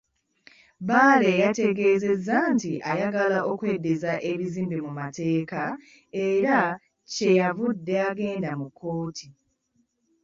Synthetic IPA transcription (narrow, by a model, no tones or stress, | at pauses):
baːle̞jate̞ɡe̞ːze̞zːantiʔajaɡalaʔo̞kwe̞ːdːezaʔeβiziːmbimumate̞ːka | e̞ɾa | ce̞javudːe̞aɡe̞ːndamukʰːo̞ːtʰi